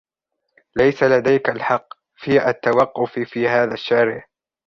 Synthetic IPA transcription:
lajsalad̪ajkalħɑqː | fiːʔat̪ːawɑqːʊffiːhaːðaʃːaːɾɪʕ

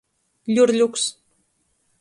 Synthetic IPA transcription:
lʲurlʲuks

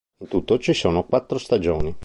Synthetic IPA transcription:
int̪ut̪ːot͡ʃisoːnokwat̪ːɾost̪ad͡ʒoːni

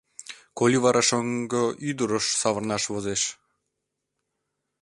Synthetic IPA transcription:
kolʲiβɑɾʔɑʃoŋɡɤyd̪əɾəʃsɑβərnɑʃβozeʃ

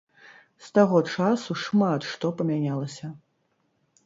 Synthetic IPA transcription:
st̪aɣɔt͡ʂasuʂmat̪ʂt̪ɔpɐmʲanʲalˠɐsʲɐ

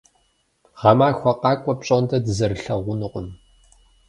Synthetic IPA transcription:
ʁɐmaːxʷɔqɑːkʷʼɔpɕʼondʰɐdɨzɐrɨɬɐʁʷʊnɨqʷʼʊm

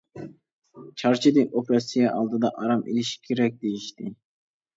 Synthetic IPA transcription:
t͡ʃʰɑɾt͡ʃʰid̪ɪnʔopɾɑsijɑʔɑlˠd̪ɨd̪ɑʔɑɾɑmḭliʃi̥kʲʰeɾɛk̚ʲd̪ejiʃt̪ɪ

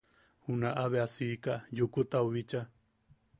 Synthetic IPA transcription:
hunaʔaβeasiːkajukut̪auβit͡ʃa

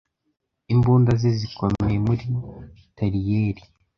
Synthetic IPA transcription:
imbuːndazezikomejemuɾi | taɾijeɾi

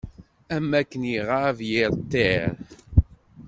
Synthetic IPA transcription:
æmːækːənjiʁavjɪɾt̪ːeɾ

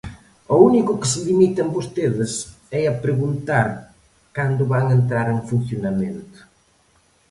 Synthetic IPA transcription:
ounikʊkɪ̥sɪlimit̪ɐmbost̪eðɪs | ɛɐpɾeɣunt̪aɾ | kand̪ʊβaŋent̪̬ɾaɾeŋfun̟θjonamẽnt̪ʊ̥

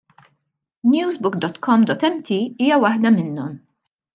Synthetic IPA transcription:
njuːzbʊkd̪ɔt̪kʰɔmd̪ɔt̪ːɛmt̪ʰiiːjɐwɐħd̪ɐmɪnːɔm

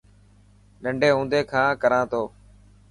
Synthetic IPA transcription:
ɗəɳɖeːɦũːnd̪eːkʰãːkəɾãːt̪oː

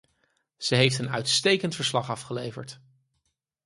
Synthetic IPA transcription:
z̥əɦejftənœ̰ɥtstejkəntfəɹslɑχɑfχəlejvə̰ɹt

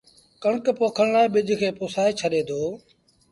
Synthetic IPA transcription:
kəɳkpoːkʰəɳ̃laːeɓɪd͡ʒʱkʰeːpʊːsaːeːt͡ʃʰəɗeːd̪oː

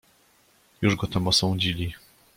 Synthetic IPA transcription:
juʐɡɔt̪amɔsɔ̃w̃d͡ʑilʲi

